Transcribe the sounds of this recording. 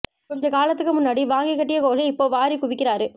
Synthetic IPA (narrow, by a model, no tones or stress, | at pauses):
kɔɲd͡ʒɐkaːlɐt̪ːɯkːɯmʊnːaːɽiʋaːŋɡɪkːɐʈːɪjɐkoːɣɐɪpːoːʋaːɾikʊʋɪkːɪɾaːɾɯ